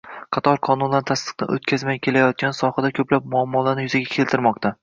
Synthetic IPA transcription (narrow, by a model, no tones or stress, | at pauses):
qʰɑt̪ʰɒɾqʰɒnunlant̪ʰast̪ɨ̥qnɪ̰ʔo̰t̪kʲʰazmajkʲʰe̞lajɒt̪̚ɡʲansɒhad̪akʲʰɵplap̚mʊɒmːɒlanɪjʊzaɡʲakʲʰe̞lt̪ɪɾmɒqt̪ʰa